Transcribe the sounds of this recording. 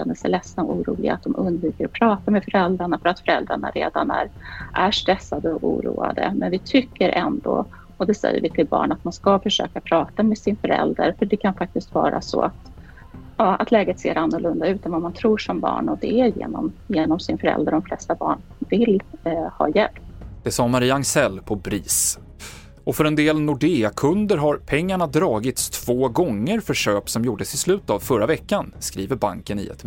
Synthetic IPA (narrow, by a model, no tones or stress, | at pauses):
ɛnd̪əsɛlɛsnaɔʔuːɾuːlɪɡa̰t̪̚d̪ɔmʔɵnd̪vyːkəɾɔpʰɾɑːt̪amɛfœɾɛld̪ɾaɳafœɾat̪fœɾɛld̪ɾaɳa̰ɾḛːd̪anæɾʔæʂt̪ɾɛsːad̪əɔʔṵːɾṵːa̰d̪ə̰mɛnvɪt̪ʰʏkːəɾʔɛnd̪o | ɔd̪ɛsɛ̰jːə̰ɾvɪt̪ʰɪlbɑ̰ːɳat̪̚manskafœʂøːkapʰɾɑːt̪amɛsɪnfœɾɛ̰ld̪əɾfœɖɛkʰanfak̚t̪ɪst̪vɑ̰ːɾʔa̰sɔ̰at̪ | jɑːʔa̰t̪ʰlɛːɡət̪sḛːɾʔanːʊlɵnd̪aʉ̟ːt̪ɛnvamant̪ʰɾuːʂɔmbɑ̰ːɳɔd̪ɛæɾjḛːnɔ̰mjeːnɔmsɪnfœɾɛ̰ld̪ɾəɖɔmflɛst̪abɑ̰ːɳ | vɪlhɑ̰ːjɛlpd̪̥ɛsɑːmaɾiːaaŋsɛlːpʰɔbɾiːs | ɔfœɾɛnd̪eːlnʊɖeːakʰɵnd̪əɾɦaɾpʰɛŋːaɳad̪ɾɑːɡɪt̪st̪ʰv̥oːɡɔŋːəɾfœʂøːpsɔmjuːɖəsɪslʉ̟ːt̪avfœɾavɛkːanskɾiːvəɾba̰ŋkənɪ̰ɛ̰t̪